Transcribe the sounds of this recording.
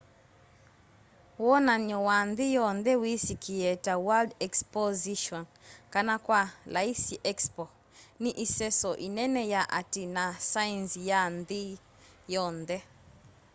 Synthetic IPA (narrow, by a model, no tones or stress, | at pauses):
wɔnaɲɔwanðijɔndɛwisikʰiɛtawaldɛkspɔziʃɔn | kanakwalaisiʔɛkspɔ | niʔisɛsɔʔinɛnɛjaʔatinasaɛnsijandi | jɔndɛ